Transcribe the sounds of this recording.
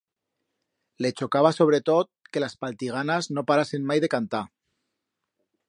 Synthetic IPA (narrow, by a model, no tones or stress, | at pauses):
let͡ʃokaβ̞aso̞β̞ɾet̪ot̪̚kelaspalt̪iɣ̞anaznopaɾasenmajðekant̪a